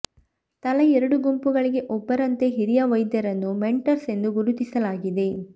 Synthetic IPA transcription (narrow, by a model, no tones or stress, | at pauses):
t̪ɐlɐɛɾɐɽuɡumpuɡɐɭiɡe̞ʔɔpːɐɾɐnt̪e̞ɦiɾijɐʋɐjd̪jɐɾɐnːumeɳʈɐɾse̞nd̪uɡuɾut̪isɐlaːɡid̪e̞